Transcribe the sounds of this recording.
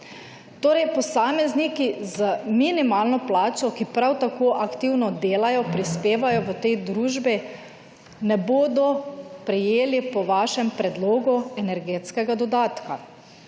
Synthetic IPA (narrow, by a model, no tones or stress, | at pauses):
t̪oːɾɛjpɔsaːmɛznikizəminimaːlnɔplaːt͡ʃɔkipɾawt̪akoːʔakt̪iwnɔd̪eːlajɔpɾispeːʋajɔʋət̪ɛjd̪ɾuːʒbi | nɛboːd̪ɔpɾɛjeːlipɔʋaːʃɛmpɾɛd̪loːɡuɛnɛɾɡeːt̪skɛɡad̪ɔd̪aːt̪ka